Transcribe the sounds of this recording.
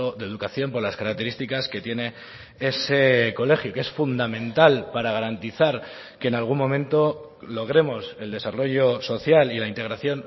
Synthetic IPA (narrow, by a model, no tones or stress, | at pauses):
oðe̞ðukaθjo̞mpo̞ɾlaskaɾak̚t̪e̞ɾist̪ikaske̞t̪je̞ne̞ | e̞se̞ko̞le̞xjukeesfund̪amẽnt̪alpaɾaɣ̞aɾant̪iθaɾ | ke̞ːnalɣ̞ummo̞mẽ̞nt̪o̞ | lo̞ɣ̞ɾe̞mo̞se̞ld̪e̞saro̞ʝo̞so̞θjalilaint̪e̞ɣ̞ɾaθjo̞n